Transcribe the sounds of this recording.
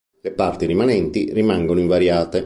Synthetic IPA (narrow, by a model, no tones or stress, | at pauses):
lepart̪irimanɛnt̪irimaŋɡonoiɱvaɾjaːt̪e